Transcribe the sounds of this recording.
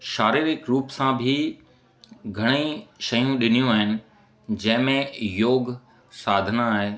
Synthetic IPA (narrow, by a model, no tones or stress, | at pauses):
ʃaːɾiːɾɪkɾuːpsãbʱɪ | ɡʱɐɽ̃ĩʃɐjũɗɪnijũaːɦɪnɪ̆ | d͡ʑɐ̃ɦɪ̃mẽjoːɡ | saːd̪ʱənaːɦeː